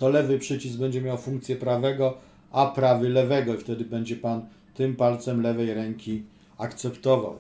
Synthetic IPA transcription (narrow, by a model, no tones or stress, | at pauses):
t̪ɔlɛvɘpʂɘt͡ɕizbɛɲd͡ʑɛmʲjawfuŋk̚t̪sʲjɛpɾavɛɡɔ | apɾavɘlɛvɛɡɔift̪ɛd̪ɘbɛɲd͡ʑɛpan | t̪ɘmpalt̪sɛmlɛvɛjɾɛŋkʲi | akt̪sɛpt̪ɔva̰w